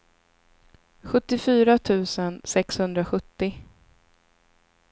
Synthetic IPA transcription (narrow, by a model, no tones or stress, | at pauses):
ɧɵt̪ːɪfyːɾat̪ʰʉ̟ːsənsɛkshɵnd̪ɾaɧɵt̪ːɪ